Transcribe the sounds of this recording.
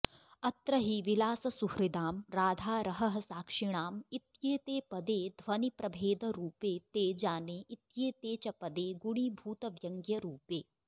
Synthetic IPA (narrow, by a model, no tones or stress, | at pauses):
ɐt̪ɾɐɦiʋilaːsɐsuhɾid̪aːmɾaːd̪ʱaːɾɐɦɐɦɐsaːkʂiɽ̃aːmit̪jeːt̪eːpɐd̪eːd̪ʱʋɐnipɾɐbʱeːd̪ɐɾuːpeːt̪eːd͡ʒaːneːʔit̪jeːt̪eːt͡ʃɐpɐd̪eːɡuɽiːbʱuːt̪ɐʋjɐŋɡjɐɾuːpeː